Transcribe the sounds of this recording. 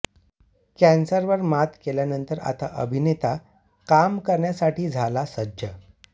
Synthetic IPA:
kɛ̃nsəɾʋəɾmat̪keljanənt̪əɾa̰t̪a̰ʔə̰bʱinet̪a | kamkəɾɳjasaʈiːd͡zʱalasəd͡ʑʱjə

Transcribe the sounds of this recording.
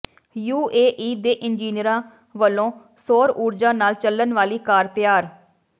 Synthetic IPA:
juːeːʔiːd̪eːʔɪnd͡ʒiːnɪəɾãː | ʋəlːõː | soːɾuːɾd͡ʒãːnaːlt͡ʃələnʋaːliːkaːɾt̪ɪjaːɾ

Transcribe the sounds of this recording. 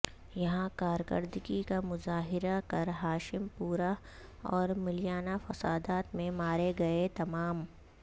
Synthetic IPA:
jɐɦãkaːɾkə̰ɾd̪ɡikamʊzaːɦɪɾakɐɾɦaːʃɪmpuːɾa | ɔːɾmɪlɪjaːnafɐsaːd̪aːt̪mẽmaːɾeɡɐet̪ɐmaːm

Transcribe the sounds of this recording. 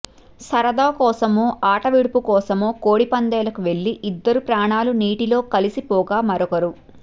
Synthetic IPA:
sɐɾɐd̪aːkɔːsɐmoːʔaːʈɐʋiɽupukɔːsɐmoːkoːɽipɐnd̪ɐːlɐkuʋe̞ɭːiʔid̪ːɐɾupɾaːɳaːluniːʈilo̞ːkɐlisipɔːɡaːmɐɾɔkɐɾu

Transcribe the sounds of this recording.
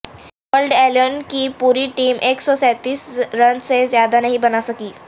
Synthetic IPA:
ʋəlɖɛljonkipuːɾiʈiːmʔeːksɔsɛt̪iːsɾɐnsezjaːd̪anɐɦĩbɐnasɐkiː

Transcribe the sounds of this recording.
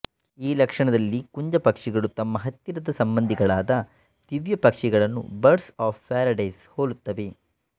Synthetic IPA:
iːlɐkʂɐɳɐd̪ɐlːikuɲd͡ʒɐpɐkʂiɡɐɭut̪ɐmːɐɦɐt̪ːiɾɐd̪ɐsɐmbɐnd̪ʱiɡɐɭaːd̪ɐ | t̪iʋjɐpɐkʂiɡɐɭɐnːṵbɐɾsaːfːaːɾɐɖɐjshoːlut̪ːɐʋe̞

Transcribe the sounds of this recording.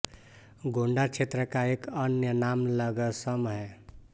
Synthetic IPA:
ɡʱoɳɖat͡ʃʰet̪ɾəkaekənjənamləɡəsəmɦɛ

